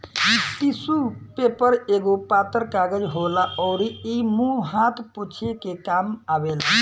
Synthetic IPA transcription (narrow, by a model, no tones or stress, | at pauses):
it̪isupepəɾeɡopat̪əɾkaɡəd͡ʒɦolaʔɔʊɾiimũɦat̪ʰpot͡ʃʰekekamabel